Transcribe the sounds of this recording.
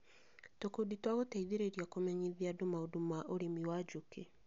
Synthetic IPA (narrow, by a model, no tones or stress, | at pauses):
tokuditwaɣotaiðiɾeɾiakomeɲiðiadumaodumaʔoɾemiwad͡ʒuke